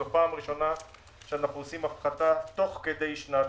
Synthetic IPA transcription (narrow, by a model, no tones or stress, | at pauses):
epaːmʁiʃo̞na | ʃeanaχnuosimafχat̪at̪o̞χke̞d̪e̞jʃna